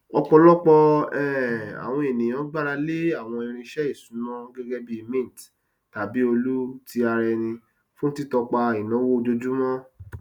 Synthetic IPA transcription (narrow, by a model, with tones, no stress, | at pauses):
ɔ˧k͡pɔ˧lɔ˦k͡pɔ˧ɛ˦˨a̰˨w̃ɔ̃˧e˨nĩ˨j̃ɔ̃˨˦ɡ͡ba˦ɾa˧le˦a˦˨w̃ɔ̃˧i˧ɾ̃ĩ˧˦ʃɛ˦i˦˨sũ˨˦mɔ̃˦ɡɛ˦ɡɛ˦bi˦˧mĩ˦˨t | ta˨˦bi˦o˧lu˦ti˦a˧ɾɛ˧nĩ˧ | fũ˦n̩˦ti˦tɔ˧k͡pa˧i˨nã˨˦wo˦˧d͡ʒo˧d͡ʒu˦mɔ̃˦